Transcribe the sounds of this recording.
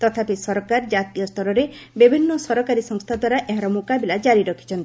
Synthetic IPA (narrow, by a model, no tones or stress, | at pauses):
t̪ɔt̪ʰapisɔɾɔkaɾd͡ʒat̪ijɔst̪ʰɔɾɔɾebibʱinːɔsɔɾɔkaɾisɔŋst̪ʰad̪waɾaʔeɦãɾɔmukabilad͡ʒaɾiɾɔkʰi̥t͡ʃʰɔnt̪i̥